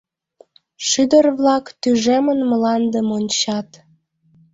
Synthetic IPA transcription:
ʃyd̪ərβlɑkt̪yʒemənmlɑnd̪əmonʲt͡ɕɑt̪

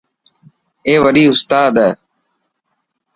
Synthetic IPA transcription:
eːʋəɗiːʊst̪aːd̪eː

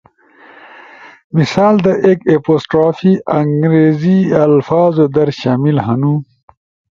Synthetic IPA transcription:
misaːld̪ɐʔekeposʈɾaːfiɐŋɡɾeːziɐlfaːzod̪ɐɾɕaːmilɦɐnu

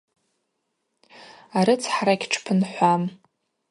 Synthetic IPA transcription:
aɾɨt͡sʰħrakʲʈ͡ʂʰpʰɨnħʷam

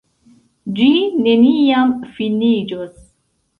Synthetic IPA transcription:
d͡ʒinenijamfinid͡ʒos

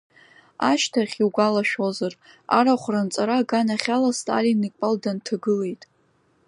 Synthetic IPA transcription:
aʃtʰaχʲiwɡʷalaʃᶣozar | a̰ɾaχʷrant͡sʼaɾaɡanaχʲalastʼa̰linikʷʼaldantʰaɡɨle̞jtʼ

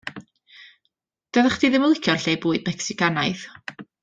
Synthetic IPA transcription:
d̥əðaχd̥iðɪməlˠɪkʰjɔrɬeːbuːɨd̚mɛksɪkʰanaɨθ

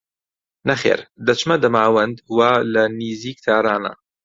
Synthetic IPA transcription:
nɐχḛːɾd̪ɐt͡ʃmɐd̪ɐmaːwɐnd̪waːlɐniːziːk̚t̪ʰaːɾaːnɐ̰

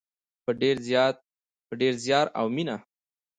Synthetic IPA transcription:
pəɖeɾzjɑt̪̚ | pəɖeɾzjɑɾa̰wmina

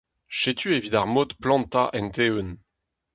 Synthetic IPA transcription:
ʃet̪ʰyevid̪aʁmot̪plɑ̃nt̪aʔɛ̃nt̪ewøn

